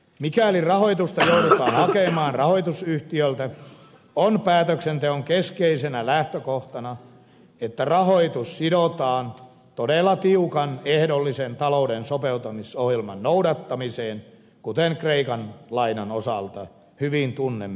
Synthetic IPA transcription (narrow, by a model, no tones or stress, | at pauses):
mikælirɑhoit̪ust̪ɑjoudut̪ɑːnhɑkemɑːnrɑhoit̪usyht̪iølt̪æ | onpæːt̪øksent̪eoŋkeskeisenælæht̪økoht̪ɑnɑ | et̪ːærɑhoit̪ussidot̪ɑːn | t̪odelːɑt̪iukɑnehdolːisent̪ɑloudensopeut̪ɑmisohjelmɑ̰nnoudɑt̪ːɑmiseːn | kut̪eŋkreikɑnlɑinɑnosɑlt̪ɑ | hyʋint̪unːem